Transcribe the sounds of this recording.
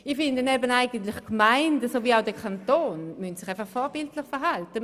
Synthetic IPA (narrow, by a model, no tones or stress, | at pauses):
iχfɪndənɛbənaɪɡəntlɪχkmaɪndəsoːviːaʊdɛkʰantoːnmyntsɪ̥χaɪfaχχfɔːɐbɪltlɪχfɛɐɦaltə